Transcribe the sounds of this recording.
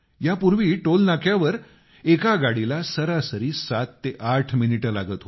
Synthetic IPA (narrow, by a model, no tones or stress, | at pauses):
japuɾʋiːʈolnakʰjaʋəɾ | ekaɡaɽilasəɾasəɾiːsat̪ːeʔaʈʰminiʈəla̰ɡət̪ɦo